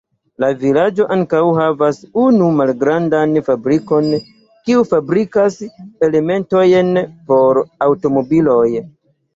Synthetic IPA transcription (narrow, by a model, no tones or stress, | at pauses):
lavilad͡ʒo̞ʔaŋkawɦavasunumalɡɾandanfabɾiko̞n | kiufabɾikase̞le̞me̞nto̞jnpo̞ɾawto̞mo̞bilo̞j